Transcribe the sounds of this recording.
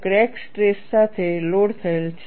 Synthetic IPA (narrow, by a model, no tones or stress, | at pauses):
kɾɛksʈɾesːat̪ʰeloɽt̪ʰəelt͡ʃʰ